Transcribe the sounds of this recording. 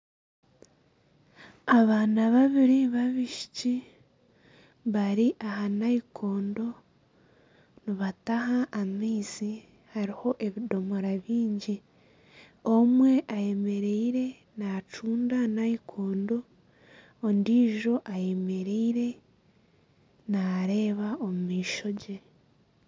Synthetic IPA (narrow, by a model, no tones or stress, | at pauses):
aβaːnaβaβiɾiβaβiʃi̥ci | βaɾiʔahanaikʰo̞ːndo̞ | niβataɦaʔːmiːsi | haɾiho̞ʔe̞βido̞moɾaβiːɲɟi | omwe̞ʔaje̞me̞ɾeiɾe̞ | nat͡ʃuːndanaikʰo̞ːndo̞ː | ndiːʒo̞ʔaje̞me̞ɾeiɾe̞ | naɾe̞ːβaomumiːʃo̞ɟe̞